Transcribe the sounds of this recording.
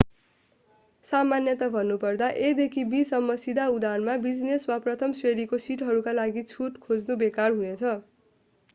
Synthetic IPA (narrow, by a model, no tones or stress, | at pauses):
samanjʌt̪abʱʌnːupʌrd̪aʔed̪ekʰibisʌmːʌsid̪aud̪anmabid͡zneswaprʌt̪ʰʌmsweɾikosiʈɦʌɾukalaɡit͡sʰuʈkʰod͡znubekarɦunet͡sʰʌ